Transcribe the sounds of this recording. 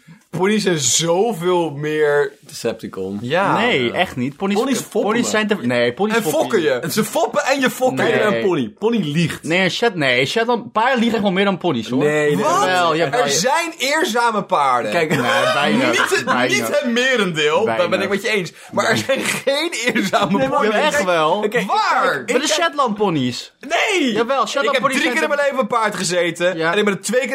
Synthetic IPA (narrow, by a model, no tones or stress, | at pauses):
ponisɛjnzowvɪːlˠmɪːəɹsɛp̚tikəlˠnjanejʔɛχtnitponinisfoponissɛjntəneːponiɛnfokəjəsəfopəʔɛnjəfonəjəaponiponilixtneːənʃɛtneːʃɛtɔpaːɹdəliχəɛʋɔlˠmɪːɹdɔnponisonedɛɛlˠjaɛzɛjnɪːɹzaːməpaːɹdəkɛjknebɛjnitɛjnitətmɪːɾəndɪːlˠdɔnbɛnɪkmɛtjəens | maɹɛɹzɛjnχejnɪːɹzaːməoɛxtʋɛlˠokeʋaːɹɛdəʃɛtlɔnt̚ponis | nejaʋɛlˠʃɛtklɔ̃ɛponidrikɪɾɪnmənejvəəpaːɹtχəzeːtəjaɛnɪɡ̚bɛnətʋejk